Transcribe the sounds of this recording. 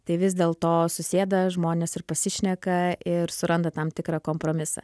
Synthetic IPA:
t̪ɐɪʋʲɪs̬d̪ʲeːlˠt̪oːsʊsʲeːd̪ɐʒmoːnʲeːsɪɾpɐsʲɪʃʲnʲɛkɐʔɪɾsʊɾɐnd̪ɐt̪ɐmt̪ʲɪkɾɑːkoːmpɾoːmʲɪsɐ̰

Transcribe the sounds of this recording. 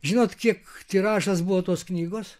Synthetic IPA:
ʒʲɪnoːt̪kʲiɛkt̪ʲiɾɑːʃɐsbʊʋoːt̪oːsknʲiːɡoːs

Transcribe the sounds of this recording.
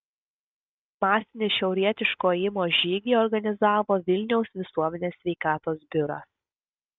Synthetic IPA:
mɑːsʲɪnʲɪʃʲɛʊɾʲiɛt̪ʲɪʃkoːɪmoːʒʲiːɡʲiːɔɾɡɐnʲɪzɑːʋoːʋʲɪlʲnʲɛʊsʋʲɪsuɔmʲɛnʲeːsʲʋʲɛɪkɑːt̪oːsbʲʊɾɑ̰s

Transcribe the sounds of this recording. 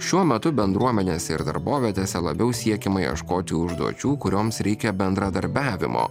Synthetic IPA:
ʃʲuɔmʲɛt̪ʊbʲɛnd̪ɾuɔmʲɛnʲeːsʲɛɪɾd̪ɐ̰ɾboːʋʲiɛt̪ʲeːsʲɛlˠɐbʲɛʊsʲiɛkʲɛmɐjɛ̰ʃkoːt̪ʲɪʊʒd̪ṵɔt͡ʃʲuːkʊɾʲoːmsɾʲɛɪkʲɛbʲɛnd̪ɾɐd̪ɐɾʲbʲæːʋʲɪ̰mo̰ː

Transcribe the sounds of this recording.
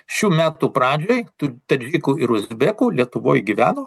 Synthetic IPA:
ʃʲuːmʲæːt̪uːpɾɑːd͡ʒʲoːjt̪ʊt̪ɐd͡ʒʲiːkuːɪɾʊzʲbʲeːkuːlʲiɛt̪ʊʋoːjɡʲiʋʲæ̰ːnoː

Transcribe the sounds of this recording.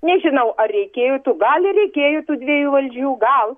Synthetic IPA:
nʲɛʒʲɪnɐʊɐɛɪkʲeːjot̪uːɡɐlʲˠɪrʲɛɪkʲeːjoːt̪uːd̪ʲʋʲiːjuːʋɐlʲd͡ʒʲuːɡɐlˠ

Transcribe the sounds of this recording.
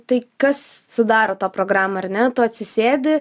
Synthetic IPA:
t̪ɐɪkɐssʊd̪ɑːɾoːt̪ɑːpɾoːɡɾɑːmɐɐrnʲɛt̪oːɐt̪ʲsʲɪsʲeːd̪ʲɪ

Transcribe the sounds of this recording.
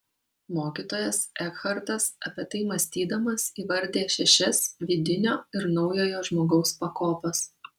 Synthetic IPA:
moːkʲiːt̪oːjɛsɛkxɐɾt̪ɐsɐpʲit̪ɐɪmɐsʲt̪ʲiːd̪ɐmɐsiːʋɐɾʲd̪ʲeːʃʲɛʃʲɛsʋʲiːd̪ʲɪnʲoːɪɾnɒʊjoːjoːʒmoːɡɒʊspɐkoːpʲɐs

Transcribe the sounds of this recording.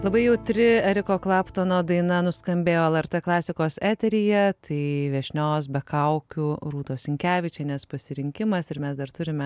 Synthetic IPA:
lˠɐbɐɪjɛʊt̪ʲɾʲɪɛɾʲɪkoːklˠɑːpt̪oːnoːd̪ɐɪnɐnʊskɐmʲbʲeːjoːɛlˠɛɾt̪eːklˠɑːsʲɪkoːsæːt̪ʲɛɾʲɪjɛt̪ʰɐɪʋʲiɛʃʲnʲoːs̬bʲɛkɐʊkʲʊɾuːt̪oːsʲɪŋʲkʲæːʋʲɪt͡ʃʲɛnʲɛspɐsʲɪɾʲɪŋʲkʲɪmɐsɪɾmʲɛsd̪ɐɾt̪ʊɾʲɪmʲɛ

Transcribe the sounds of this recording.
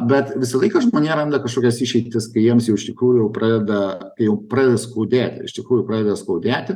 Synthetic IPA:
bʲɛt̪ʋʲɪsɐlˠɐɪkɐʒmoːnʲiːɾɐnd̪ɐkɐʃkoːkʲɛsɪʃʲɛɪt̪ʲɪskɐɪjiɛmsjɛʊɪʃʲt̪ʲɪkɾuːjʊjɛʊpɾɑːd̪ʲɛd̪ɐkɐɪjɛʊpɾɑːd̪ʲɛd̪ɐskoːd̪ʲæːt̪ʲɪ̰ʃt̪ʲɪkɾuːjʊpɾɑːd̪ʲɛd̪ɐskoːd̪ʲæːt̪ʲɪ

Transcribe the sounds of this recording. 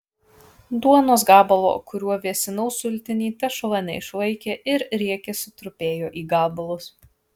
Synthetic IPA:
d̪uɔnoːs̬ɡɑːbɐlˠo̰ːkʊɾʲuɔʋʲiɛsʲɪnɐʊsʊlʲt̪ʲɪnʲiːt̪ɐʃɔlˠɐnʲɛ̰ɪʃlˠɐɪkʲeːʔɪɾɾʲiɛkʲesʊt̪ɾʊpʲeːjoːʔiːɡɑːbɐlˠʊs

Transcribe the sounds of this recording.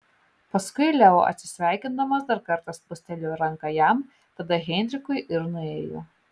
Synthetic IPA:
pɐskʊɪlʲɛo̰ʔɐ̰t̪ʲsʲɪ̥sʲʋʲɛˑɪkʲɪnd̪ɐmɐsd̪ɐɾkɐɾt̪ɐspʊsʲt̪ʲɛlʲoːɾɐŋkɐjɛm | t̪ɐd̪ɐɣʲɛnʲd̪ʲɾʲɪkʊɪʔɪɾnʊeːjo̰

